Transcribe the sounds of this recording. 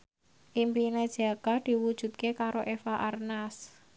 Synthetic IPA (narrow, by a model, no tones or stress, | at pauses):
ʔimpined̥ʒ̥akad̪̥i̤wud̥ʒ̥ṳt̪̚kekaɾoʔefaʔarnas